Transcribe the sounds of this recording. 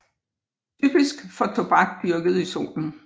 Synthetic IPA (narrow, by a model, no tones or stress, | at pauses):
t͡sʰyb̥isɡ̥fɒ̽t͡sʰo̝b̥ɑ̈ɡ̥̚d̥yɐɡ̥əð̞̩ˠiso̝̰ːln̩